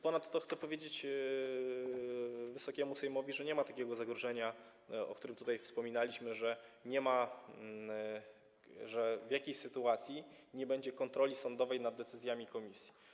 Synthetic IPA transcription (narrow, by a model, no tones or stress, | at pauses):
pɔnat̪ːɔxt̪sɛpɔvʲjed͡ʑet͡ɕ | vɘsɔkʲɛmusɛjmɔvʲiʐɛɲɛmat̪akʲɛɡɔzaɡɾɔʐɛɲa | ɔ̰kt̪uɾɘmt̪ut̪ajfspɔmʲinalʲiɕmɘʐɛɲɛma | ʐɛvjakʲejɕsɘt̪uat̪sʲjiɲɛbɛɲd͡ʑɛkɔnt̪ɾɔlʲisɔnd̪ɔvɛjnad̪ːɛt̪sɘzʲjamʲikɔmʲisʲji̥